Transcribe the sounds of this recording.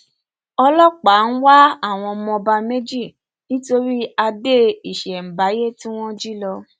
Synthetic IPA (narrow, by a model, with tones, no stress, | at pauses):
ɔ˧lɔ˦k͡pa˨˦n̩˦wa˦a˦˨w̃ɔ̃˧mɔ̃˧ba˧me˦d͡ʒi˦˨ | nĩ˦to˧ɾi˦a˧de˦i˨ʃɛ˨m̩˨ba˨˦je˦tĩ˦w̃ɔ̃˦d͡ʒi˦lɔ˧